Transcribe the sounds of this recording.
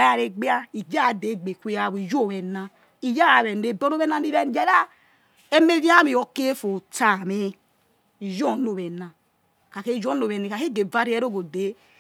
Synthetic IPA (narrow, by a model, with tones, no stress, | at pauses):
a˨a˨ɾe˨ɡ͡bi˦a˦i˨d͡ʒa˦˨de˨˦˨ɡ͡be˨kʷe˦ja˨βi˨d͡ʒo˦˨βɛ˨na˨ | i˨ja˦a˨βɛ˨ne˨bo˦no˦ɛ˦na˦˨ni˦ɾɛ˦n˦d͡ʒɛ˦ɾa˦ | e˦me˦vi˦a˦mi˨o˨ke˦fo˨ta˦˨me˦ | i˨d͡ʒo˦˨˦no˨βɛ˨na˨ | ka˨ke˦˨d͡ʒo˦no˨βɛ˨ne˨ka˨ke˦˨ɡe˨va˦ɾi˦ɛ˦ɾo˦ɡo˨de˨˦